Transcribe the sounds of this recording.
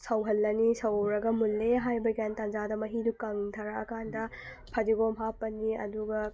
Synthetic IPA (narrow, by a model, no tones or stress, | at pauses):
sɐwɦɐlːɐnisɐwɾɐɡɐmulːeɦajbɐɡantɐnd͡ʒadɐmɐɦidukɐŋtʰɐɾaɐkʰandɐ | pʰɐdiɡomɦapːɐniɐ̰duɡɐ